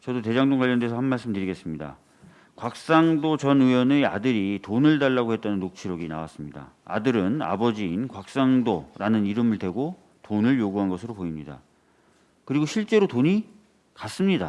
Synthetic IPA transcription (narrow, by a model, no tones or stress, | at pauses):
t͡ɕʌdote̞d͡ʑaŋdoŋɡwaʎjːʌndesʰʌhanmːaɭs͈ɯmdɯɾiɡe̞s͈ɯmɲida̰ | kwak̚s͈aŋdot͡ɕʌnɯʌnea̰dɯɾitonɯɭdaɭːaɡoɦe̞t̚t͈anɯnːok̚t͡ɕʰiɾʌɡina̰was͈ɯmɲida̰a̰dɯɾɯna̰bʌd͡ʑiːnkwak̚s͈aŋdoɾanɯniɾɯmɯɭdwe̞ɡo | tonɯɭjoɡuɦanɡʌsʰɯɾopoimɲida̰ | kɯɾiɡoɕʰiɭt͡ɕ͈e̞ɾotoɲi | kas͈ɯmɲida